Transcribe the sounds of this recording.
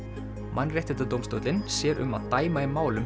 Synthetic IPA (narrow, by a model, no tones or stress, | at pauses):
mʔanːrjajht̪ɪt̪at̪owmst̪owt̪lɪnsjɛːɾʔʏ̰ma̰ðt̪aːjmaɪmaːwlʏm